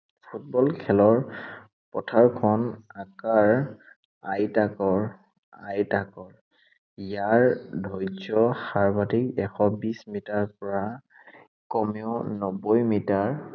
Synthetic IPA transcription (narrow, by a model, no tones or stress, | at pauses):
pʰut̚bɔlkʰɛlɔɹ | pɔtʰaɹkʰɔnakaɹ | ajtakɔɹ | a̰jtakɔɹ | ijaɹdʱɔjzɔxaɹbatikɛxɔbismitaɹpɔɹa | kɔmeʊnɔbɔjmitaɹ